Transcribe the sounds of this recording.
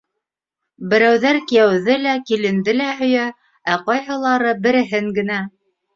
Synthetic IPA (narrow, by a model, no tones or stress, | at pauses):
bɘ̆ɾæwðæɾkijæwðɘlækilɘ̆nd̪ɘlæɦɵ̆jæ | æqɑjɦɤ̆lˠɑɾɤbɘ̆ɾɘ̆ɦɘŋɡɘ̆næ